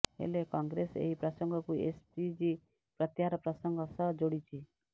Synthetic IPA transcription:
ɦḛlekɔŋɡɾesḛɦipɾɔsɔŋɡʱɔkuḛspid͡ʒi | pɾət̪jaɾɔpɾɔsəŋɡʱɔsəd͡ʒoɽit͡ʃʰi

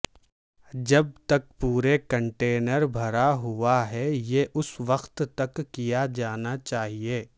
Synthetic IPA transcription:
d͡ʒɐb̚t̪ɐk̚puːɾekɐ̃ɳʈeːnəɾbʱɐɾaɦuaɦɛjeːʔʊsʋɐxt̪t̪ɐkːijad͡ʒaːnat͡ʃaːɦieː

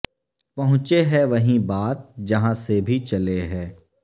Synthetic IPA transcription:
pɐɦʊ̃t͡ʃeɦɛʋɐɦĩbaːt̪̚d͡ʒɐɦãsebʱit͡ʃɐleɦɛː

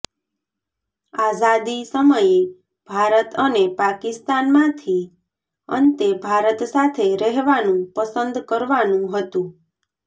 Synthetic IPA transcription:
azad̪isəməje | b̥ʱaɾət̪ənepakɪst̪anmãt̪ʰi | ə̰nt̪ebʱaɾət̪sat̪ʰeɾəɦʋanũpəsənd̪kəɾʋanũɦət̪ũ

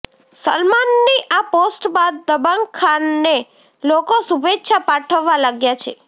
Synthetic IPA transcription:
sə̰lmanːiʔaposʈbad̪̚ːəbaŋɡkʰːanːe | lokosubetːʃʰapaʈʰəʋːalaɡjat͡ʃʰḛ

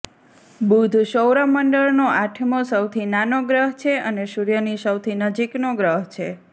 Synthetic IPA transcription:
bud̪ʱʃəwɾaməɳɖəɭnoʔaʈʰmosəwt̪ʰinanoɡɾəɦt͡ʃʰeəneʃuɾjənisəwt̪ʰinəd͡ʒiknoɡɾəɦt͡ʃʰe

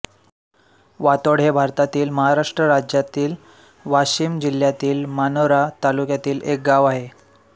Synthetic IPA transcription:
ʋat̪oɽ̤ebʱaɾt̪at̪iːlməɦaɾaʂʈɾəɾad͡ʑjat̪iːl | ʋaɕiːmd͡ʑil̤jat̪iːlmanoɾat̪alukjat̪iːlek̚ɡaʋaɦe

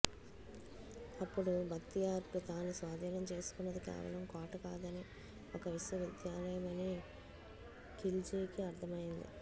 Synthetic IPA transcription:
ɐpːuɽubʱɐt̪ːijaːɾkut̪aːnusʋaːd̪ɐnɐmt͡ʃe̞ːsu̥kunːɐd̪ikɛ̰ːʋɐ̰lɐmkaːʈɐkaːd̪ɐni | ɔkɐʋiʂʋɐʋid̪jaːlɐjɐmɐneː | kild͡ʒiːkiɐɾt̪ʰɐmɐjind̪ḭ

